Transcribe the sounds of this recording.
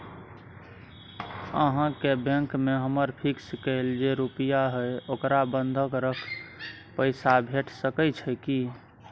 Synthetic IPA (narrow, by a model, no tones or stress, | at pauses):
əɦãkebẽŋkmeɦəməɾpʰikskəɪld͡ʒeɾupijaɦəjokɾabənd̪ʱəkɾəkʰ | pəɪsabʱeʈʰsəkət͡ʃʰəki